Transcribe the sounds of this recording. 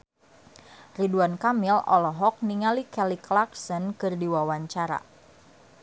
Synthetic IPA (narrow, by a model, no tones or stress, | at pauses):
riduankamilɔlɔɦɔk̚niŋalikɛliklaksənkɨrdiwawaɲt͡ʃaɾa̰